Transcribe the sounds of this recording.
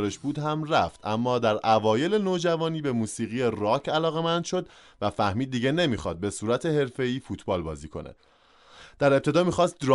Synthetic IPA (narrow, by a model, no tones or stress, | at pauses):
ɾeʃbuːd̪ɦæmræft̪ʔæmːɒːd̪æɾʔævɒːje̞le̞noːd͡ʒævɒːniːbe̞muːsiːɣijeɾɒːcʰælɒːɣe̞mænd̪ʃo̞d̪ | væfæhmiːd̪̚ːiːɟe̞ne̞miːxɒ̰ːd̪̚be̞suːɾæt̪ʰe̞he̞ɾfe̞iːfuːt̪ʰbɒːlbɒːziːkʰo̞̰nḛ | d̪̥æɾe̞p̚t̪ʰe̞d̪ɒːmiːxɒːst̪̚ɾɒ